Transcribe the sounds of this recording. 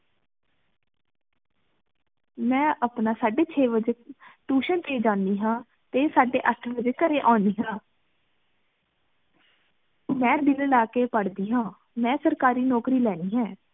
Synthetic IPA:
mɛ̃ːʔəpnaːsaːɖeːt͡ʃʰeːʋəd͡ʒeːʈuːʃənt̪eːd͡ʒãːnd̪iːɦãː | t̪eːsaːɖḛːʔəʈʰʋəd͡ʒeːkəɾeːʔãːnd̪iːɦãː | mɛ̃ːd̪ɪləlaːkeːpəɽd̪iːɦãː | mɛ̃ːsəɾkaːɾiːnɔːkɾiːlɛːniːɦɛ̃ː

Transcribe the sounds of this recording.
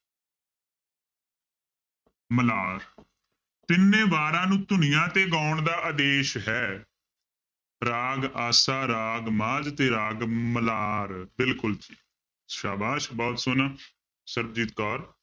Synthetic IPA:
məlaːɾ | t̪ɪnːẽːbaːɾãːnũːt̪ʊɳɪjãːt̪eːɡaːʊɳd̪aːʔəd̪eːʃɦɛː | ɾaːɡaːsaːɾaːɡmãːd͡ʒt̪eːɾaːɡməlaːɾbɪlkʊlt̪ʰiː | ʃa̰ːbaːʃbɔːt̪sʊnː | səɾbd͡ʒiːt̪kɔːɾ

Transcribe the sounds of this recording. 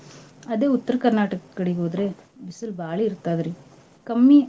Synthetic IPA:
ɐd̪e̞ːut̪ːɐɾɐkɐɾnaːʈɐkɐkːɐɽiɡoːd̪ɾebisɐlbaːɭiːɾt̪aːd̪ɐɾi | kɐmːi

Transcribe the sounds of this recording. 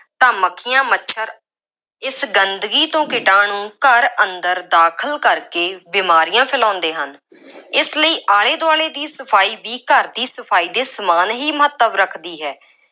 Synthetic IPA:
t̪ãːməkʰːɪjãːməʃʰəɾ | ɪsɡənd̪ɡiːt̪õːkɪʈãːnũːkəɾənd̪əɾd̪aːkʰəlkəɾkeːbiːmaːɾijãːpʰɪlãːnd̪eːɦən | ɪsləiːʔaːleːd̪ʊaːɭeːd̪iːsəpʰaːiːbiːkəɾd̪iːsəpʰaːiːd̪eːsəmaːnɦiːməɦət̪ːəbɾəkʰd̪iːɦɛː

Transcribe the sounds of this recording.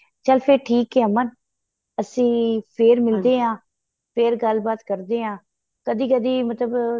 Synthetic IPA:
t͡ʃəlpʰɪɾʈʰiːkɦɛːmən | əsĩːpʰeːɾmɪld̪eːɦãː | pʰeːɾɡəlbaːt̪kəɾd̪eːɦãː | kəd̪iːkəd̪iːmət̪ləb

